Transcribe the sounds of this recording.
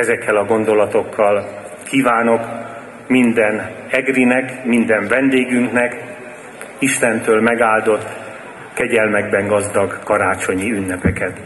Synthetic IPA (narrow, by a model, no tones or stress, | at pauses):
ɛzɛkːɛlɒɡo̞nd̪o̞lɒt̪o̞kʰːɒl | kiːvaːno̞k | mind̪ɛn | ɛɡrinɛkmind̪ɛɱvɛnd̪eːɡyŋknɛk | iʃt̪ɛnt̪øːlmɛɡaːld̪o̞t̪ː | kɛɟɛlmɛɡbɛŋɡɒzd̪ɒɡkɒɾaːt͡ʃo̞ɲiynːɛpɛkɛt̪